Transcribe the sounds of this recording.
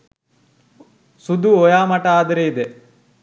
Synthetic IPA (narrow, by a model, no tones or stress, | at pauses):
sud̪uɔjaːmɐʈɐaːd̪ɐɾeid̪e